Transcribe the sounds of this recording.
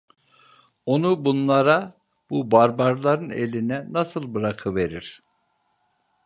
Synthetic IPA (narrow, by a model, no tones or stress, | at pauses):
o̞nubunlˠaɾa | bubaɾbaɾlˠaɾɯnḛlʲinɛnasɯlˠbɯɾakʰɯve̞ɾiɾ̥